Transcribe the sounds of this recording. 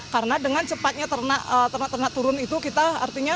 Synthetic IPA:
kaɾənadəŋant͡ʃəpat̪̚ɲat̪ərnaʔət̪ərnaʔt̪ərnaʔt̪uɾʊnit̪ukit̪aa̰rt̪iɲa

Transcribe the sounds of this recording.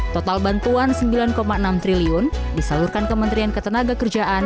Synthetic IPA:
t̪ɔt̪albant̪uansəmbilankomaənamt̪ɾiliʊn | disalurkankəmənt̪ɾiankət̪ənaɡakərd͡ʒaʔan

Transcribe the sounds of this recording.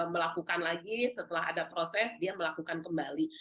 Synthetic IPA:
məlakukanlaɡisət̪əlaɦa̰dapɾosɛsdiaməlakukankəmbali

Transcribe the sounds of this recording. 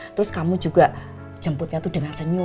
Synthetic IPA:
t̪əɾʊskamu̥d͡ʒuɡ̥ḁ | ʒ̥ə̤mpʊt̪̚ɲat̪uɖ̥əŋansəɲu

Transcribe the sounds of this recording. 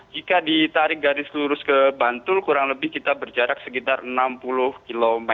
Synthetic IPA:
d͡ʒikadit̪aɾɪk̚ɡaɾɪsluɾʊskəbant̪ʊlkuɾaŋləbɪhkit̪abərd͡ʒaɾak̚səkit̪arənampulʊhkilomɛ

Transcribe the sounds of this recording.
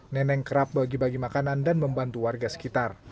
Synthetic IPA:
nɛnɛŋkəɾap̚baɡibaɡimakanandanməmbant̪uwarɡasə̥kit̪ar

